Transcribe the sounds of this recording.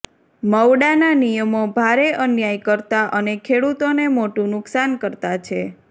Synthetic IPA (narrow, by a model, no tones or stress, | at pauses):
məwɽananijəmobʱaɾeʔənjajkəɾt̪aʔənekʰeɽut̪onemoʈũnʊksankəɾt̪at͡ʃʰe